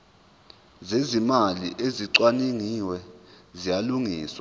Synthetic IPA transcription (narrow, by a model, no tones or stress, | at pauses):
zezimalḭʔeziǀwaniŋiwɛ | zijaluŋiːswa